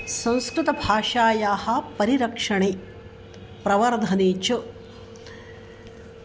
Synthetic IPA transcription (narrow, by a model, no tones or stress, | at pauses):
sɐ̃w̃skɾut̪ɐbʱaːʂaːjaːhɐ̆pɐɾiɾɐkʂɐɳeː | pɾɐʋɐɾd̪ʱɐneːt͡ʃu